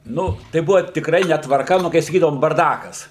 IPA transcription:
ˈnʊ tɐɪ ˈbʊʋɐ tʲɪkˈrɐɪ nʲɛtʋɐrˈkɐ ˈnʊ kɐɪ sɐˈkʲiːdɐʋoːm bɐrˈdɑːkɐs

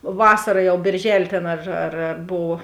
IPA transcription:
ˈʋɑːsɐrɐ ˈjɛʊ bʲeːrʲˈʒʲæːlʲeː ˈtʲeːn ɐr ɐr ɐr ˈboːw

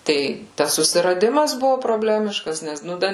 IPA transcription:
ˈtɐɪ ˈtɐs sʊsʲɪrɐˈdʲɪmɐs ˈbʊʋʊ proːˈbʲlʲæːmʲɪʃkɐs ˈnʲɛs nʊ ˈdɐ

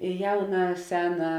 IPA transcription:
ɪ ˈjɛʊnɐ ˈsʲæːnɐ

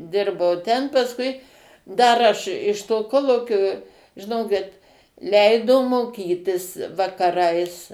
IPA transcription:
ˈdʲɪrbɐʊ tʲɛn pɐsˈkʊɪ ˈdɐr ɐʃ ɪʃ toː ˈkoːlˠuːkʲoː ʒʲɪˈnoːkʲɪt ˈlʲɛɪdoː moːˈkʲiːtʲɪs ʋɐkɐˈrɐɪs

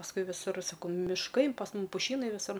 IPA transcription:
pɐsˈkʊɪ ʋʲɪˈsʊr sɐˈkɐʊ mʲɪʃˈkɐɪ pɐs ˈmʊm pʊˈʃʲiːnɐɪ ʋʲɪˈsʊr

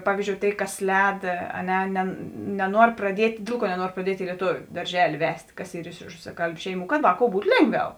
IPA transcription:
ˈpɑːʋʲiːzʲd͡ʒʲoːʊ ˈtʲeːɪ ˈkɐs ˈlʲɛːt ɐ ˈnʲɛ ˈnʲɛ nʲɛˈnuɔr prɐˈdʲiɛtʲ ˈdʲeːlˠ ˌkuɔ nʲɛˈnuɔr prɐˈdʲiɛtʲ ɪ lʲiɛˈtoːʋʲʊ dɐrʲˈʒʲæːlʲɪ ˈʋʲɛsʲtʲ ˈkɐs ˈiːr ɪʃ rʊsɐˈkɐlʲbʲʊ ˈʃʲɛɪˌmuː kɐt ˈʋɑːˌkoːʊ ˈbuːt ˈlʲeːŋˌɡʋʲɛʊ

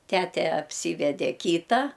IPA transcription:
ˈtʲæːtʲɛ ɐpʲˈsʲiːʋʲɛdʲɛ ˈkʲiːtɐ

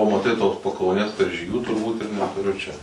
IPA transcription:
oː mɐˈtɐɪ toːs pɐkɐʊˈnʲeːs kɐrʲʒʲiːˈɡʲuː tʊrˈbuːt ɪr nʲɛtʊˈrʲʊ t͡ʃʲɛ

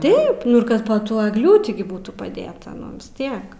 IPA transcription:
ˈtɐɪp ˈnʊ ɪr ˈkɐt poː ˈtuɔ ɛɡˈlʲuːtʲɪ ˈbuːtuː pɐˈdʲeːtɐ ˈnʊ ʋʲɪs ˈtʲiɛk

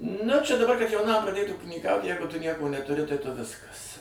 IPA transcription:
nʊ t͡ʃʲɛ dɐˈbɐr kɐt jɛʊˈnɐm prɐˈdʲeːt uːkʲɪnʲiːˈkɐʊt ˈjɛɪɡʊ tʊ ˈnʲiɛkoː nʲɛtʊˈrʲɪ tɐɪ tʊ ˈʋʲɪskɐs

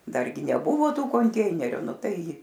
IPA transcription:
ˈdɐrʲɡʲɪ nʲɛˈbʊʋoː ˈtuː koːnʲˈtʲɛɪnʲɛrʲʊ ˈnʊ ˈtɐɪ

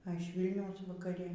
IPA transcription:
ɐ ɪʃ ˈʋʲiːlʲnʲɛʊs ʋɐkɐˈrʲɪ

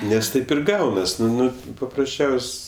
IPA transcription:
nʲɛs ˈtɐɪp ɪr ˈɡɐʊnɐs ˈnʊ ˈnʊ pɐprɐsʲˈt͡ʃʲɛʊsʲ

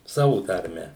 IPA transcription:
ˈsɑːʋʊ tɐrʲˈmʲɛ

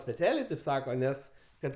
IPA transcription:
sʲpʲɛˈt͡sʲæːlʲeː tʲeːp ˈsɑːkoː ˈnʲɛs ˈkɐt

